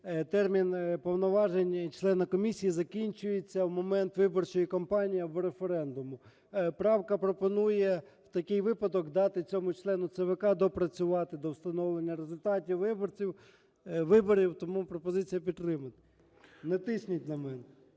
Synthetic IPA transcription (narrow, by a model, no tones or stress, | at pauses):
t̪ɛrmʲinpɔwnɔʋɑʒenʲt͡ʃlˠɛnɐkɔmʲisʲijizɐkʲinʲt͡ʃʊjet͡sʲːɐwmɔmɛnt̪ʋɪbɔrt͡ʃɔjikɔmpɑnʲijɐʋɾefeɾɛnd̪ʊmʊ | pɾɑwkɐpɾɔpɔnujɛ | wt̪ɐkɪjʋɪpɐd̪ɔkd̪ɑt̪ɪt͡sʲɔmʊt͡ʃlˠɛnʊt̪sɛʋekɑd̪ɔpɾɐt͡sʲʊʋɑt̪ɪd̪ɔwst̪ɐnɔʋlˠenʲːɐɾezʊlʲt̪ɑtʲiwʋɪbɔrt͡sʲiw | ʋɪbɔɾʲiwt̪ɔmupɾɔpɔzɪt͡sʲijɐpʲid̪t̪ːɾɪmɐt̪ɪ̥ | nɛt̪ɪsʲnʲitʲnɐmɛnɛ